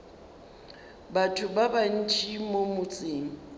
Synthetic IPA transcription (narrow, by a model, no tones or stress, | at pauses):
batʰʊbaban̩t͡ʃʰʼimomʊt͡sʼiːŋi